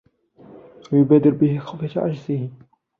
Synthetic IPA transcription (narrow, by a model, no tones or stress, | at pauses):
wajʊbaːd̪ɪɾbɪhɪxawfat̪aʕa̰d͡ʒzɪhɪ